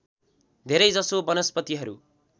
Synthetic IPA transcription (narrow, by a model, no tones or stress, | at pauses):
d̪ʱeɾʌjd͡zʌsobʌnʌspʌt̪iɦʌɾṵ